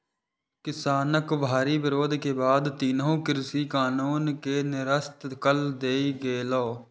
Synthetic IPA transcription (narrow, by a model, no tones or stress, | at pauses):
kɪsaːnəkbʱaːɾiːʋɪɾoːd̪ʱkeːbaːd̪t̪iːnɦũːkɪɾsiːkaːnuːnkeːnɪɾəst̪kəld̪eːiɡeːloː